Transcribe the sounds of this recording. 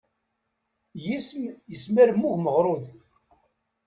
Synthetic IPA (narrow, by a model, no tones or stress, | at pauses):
jisjəsmæɾmːuʝməʁɾˤoð